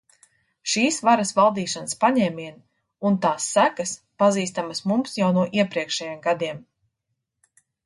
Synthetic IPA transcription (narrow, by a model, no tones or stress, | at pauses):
ʃiːsvaɾɐsvalˠd̪iːʃanspaɲɛːmiɛn | unt̪aːsːækɐspaziːst̪amasmumsjawnuɔʔiɛpɾiɛkʃɛjɛmɡad̪iɛm